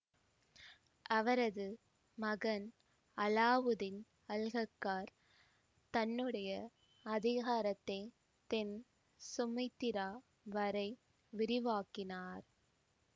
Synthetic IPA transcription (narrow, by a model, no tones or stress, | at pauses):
ʔɐʋɐɾɐðɯ | mɐɣɐn | ɐlaːʋɯðɪn | ɐlɣɐkːaːɾ | t̪ɐnːɯɽɐjɐ | ɐðɪɣaːɾɐt̪ːɐɪ | t̪ɛn | sʊmɐɪt̪ːɪɾaː | ʋɐɾɐɪ | ʋɪɾɪʋaːkɪnaːɾ